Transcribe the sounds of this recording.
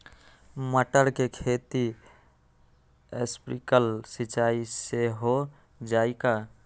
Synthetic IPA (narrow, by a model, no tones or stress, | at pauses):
məʈəɾkekʰet̪i | espɾikəlsit͡ʃaiseɦo | d͡ʒaika